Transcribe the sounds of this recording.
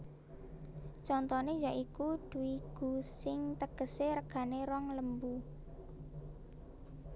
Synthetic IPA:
t͡ʃɔnt̪ɔnejaʔikud̪̥uwiɡ̥ṳsɪŋt̪əɡ̥ə̤seɾəɡ̥a̤neɾɔŋləmbu

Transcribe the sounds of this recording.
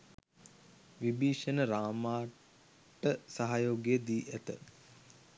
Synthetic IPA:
ʋibiːʃənəɾaːmaː | ʈəsaɦajoːɡeəd̪iːʔæt̪ə̰

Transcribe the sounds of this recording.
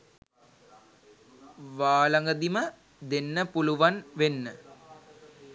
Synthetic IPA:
ʋaːlaŋɡəd̪imə | d̪enːəpuluʋanʋenːə

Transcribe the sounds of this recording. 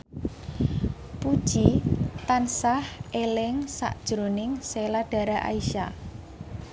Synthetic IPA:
pud̥ʒ̥it̪ansahʔelɪŋsa̰ʔd̥ʒ̥ɾonɪŋselaɖ̥a̤ɾaʔa̰iʃa

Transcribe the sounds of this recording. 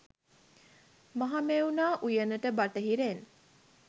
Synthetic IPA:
maɦameunaːʔujənəʈəbaʈəɦiɾen

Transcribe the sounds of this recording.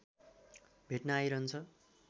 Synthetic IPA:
bʱeʈnaːjɾʌɦnt͡sʰʌ

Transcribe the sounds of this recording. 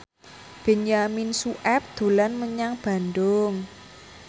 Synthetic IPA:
b̥e̤ɲaminsuʔɛp̚d̪̥o̤lanməɲaŋb̥a̤nd̪ʊŋ

